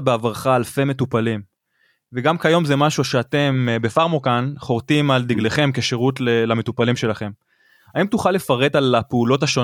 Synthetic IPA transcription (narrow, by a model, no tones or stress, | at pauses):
beavʁaχaːlfe̞metupalim | veɡamkajo̞mzemaʃuʃeate̞mbe̞faʁmokanχo̞ʁtimald̪iɡleχe̞mke̞ʃe̞ʁutlelame̞tupalimʃe̞laχe̞m | aimtuχalːefaʁe̞dalapeulo̞taʃo̞